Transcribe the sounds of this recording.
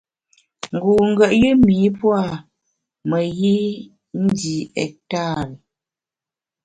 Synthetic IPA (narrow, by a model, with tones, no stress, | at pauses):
ŋ˨ɡu˨ŋ̩˦ɡɛ˦˨ʔji˦miː˨˦pwa˦˨ | mə˨ji˦ | n̩˦di˨ɛ̰˨k̚ta˦˨ɾi˨